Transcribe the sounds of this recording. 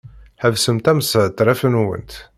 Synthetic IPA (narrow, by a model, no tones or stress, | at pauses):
ħævsəmt̪æməsəʕt̪ːɾˤæfənwə̰nt̪